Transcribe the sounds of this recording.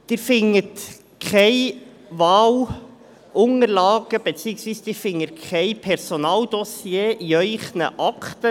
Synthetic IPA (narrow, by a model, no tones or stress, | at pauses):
d̥ɪːɾfɪŋət | kʰχɛɪ | ʋɑːl | ʔʊŋəɾlɑːɡ̥əb̥ɛt͡siːəksʋiːsd̥ɪːɾfɪŋːəkʰχɛɪpʰɛɾsonɑːld̥̪ɔsjeːʔiœʏχnə̰ʔɑkt̪ə